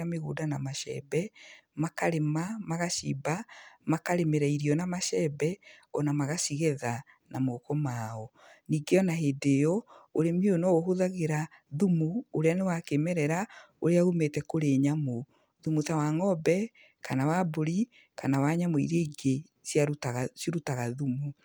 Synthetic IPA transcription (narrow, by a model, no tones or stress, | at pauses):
ameɣṵdanamaʃɛ̰bɛmakaɾemamaɣaʃḭbamakaɾemeɾaiɾiɔnamaʃɛbɛɔnamaɣasiɣeða | namokɔmaɔ | niɡeɔnaɦedejɔoɾemionɔɣoɦoðaɣeɾaðumuoɾeanewakemɛɾɛɾa | oɾeaɣumetɛkoɾeːɲamo | ðumutawaŋɔbɛ | kanawaboɾi | kanawaɲamoḭɾeiɡe | sjaɾaɣasiɾutaɣaðumu